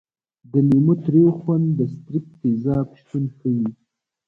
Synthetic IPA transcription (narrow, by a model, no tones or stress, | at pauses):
d̪ənimut̪ɾexwand̪əst̪ɾip̚t̪izɑːpʃt̪unxəji